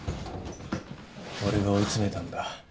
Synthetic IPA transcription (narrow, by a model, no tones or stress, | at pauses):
oɾeɡao̞it͡sɨme̞t̪ãnd̪a